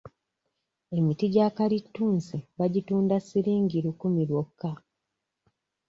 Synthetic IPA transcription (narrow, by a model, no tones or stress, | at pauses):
e̞mitiɟaːkalitːuːnsiβaɟituːndasiɾiːŋɡiɾukumiɾwokːa